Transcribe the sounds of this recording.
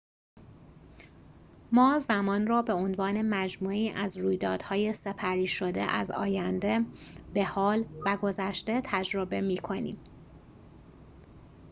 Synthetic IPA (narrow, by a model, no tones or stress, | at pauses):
mɒːzæmɒːnrɒːbe̞onvɒːne̞mæd͡ʒmuːiːʔæzɾuːjd̪ɒːd̪̥hɒːje̞se̞pʰæɾiːʃo̞d̪ḛʔæ̰zɒ̰ːjænd̪e̞be̞hɒːlvæɡo̞zæʃt̪e̞t̪ʰæd͡ʒɾo̞be̞miːkʰo̞nḭːm